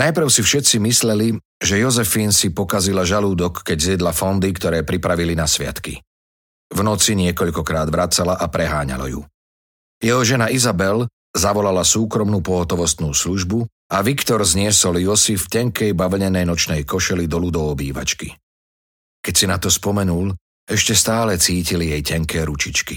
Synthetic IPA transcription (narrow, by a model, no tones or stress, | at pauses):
najpɾ̩ʊsifʃɛt̪t͡simislɛli | ʒɛjɔzɛfinsipɔkazilaʒaluːd̪ɔkːɛɟzɪɛd̪lafɔnd̪ikt̪ɔɾɛːpɾipɾaʋilinasʋɪa̰t̪kḭ | vnɔt͡siɲɪɛkɔʎkɔkɾaːd̪ʋɾat͡salaʔapɾɛɦaːɲa̰la̰jṵ | jɛɦɔʒɛnaizabɛl | zaʋɔlalasuːkɾɔmnupɔɦɔt̪ɔʋɔst̪nuːsluʒbu | aʋikt̪ɔɾzɲɪɛsɔljɔsifcaŋkɛjbaʋɲɛnɛjnɔt͡ʃnɛjkɔʃɛlid̪ɔlud̪ɔɔbiːʋa̰t͡ʃki | kɛcsinat̪ɔspɔmɛnul | ɛʃcɛst̪aːlɛt͡siːcilijɛjcaŋkɛːɾut͡ʃit͡ʃki